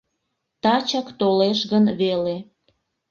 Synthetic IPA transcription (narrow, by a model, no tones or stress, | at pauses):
t̪ɑt͡ɕɑkt̪oleʃɣənβele